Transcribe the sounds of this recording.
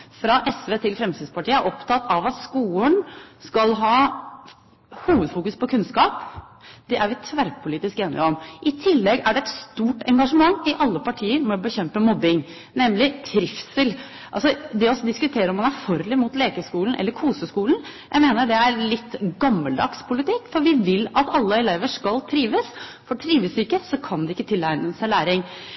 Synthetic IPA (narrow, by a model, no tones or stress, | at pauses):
fɾɑʔɛsʋeːt̪ʰɪlfɾɛmsiːd̪spɑʈiːəæʔɔpt̪ʰɑt̪ːɑʋɑt̪skuːəɳskɑlɦɑː | huːʋəd̪fuːkʉspʰɔkʰʉnskɑːpd̪̥ɛʔæɾʋɪt̪ʰʋæɾpʰʊliːt̪ɪskeːnɪ̰ɔmʔɪt̪ʰɪlːɛɡæɖɛɛt̪st̪uːʈɛŋɡɑʂəmɑŋːɪʔɑlːəpɑʈʰiːəɾmɛɔbəçɛmpəmɔbːɪŋ | nɛmlɪt̪ʰɾɪfsəl | ʔɑlsɔd̪ɛɔsd̪ɪskʉt̪ʰeːɾəɔmɑnæɾfɔɾlɪmʊt̪leːkəʂkuːln̩ʔɛ̰lːəɾkʰuːsəskuːlnjʔæ̰ɪmeːnəɖɛæɾlɪt̪ːɡɑmːəld̪ɑ̰kspʰʊlɪt̪ʰɪkːfɔɾʋɪʋɪlːɑt̪ɑlːəɛleːʋəʂkɑlt̪ʰɾiːʋəsfɔʈʰɾiːʋəsɪkːəsɔkʰɑnd̪ɛɪkːət̪ʰɪlæɪnəsæɪlæːɾɪŋ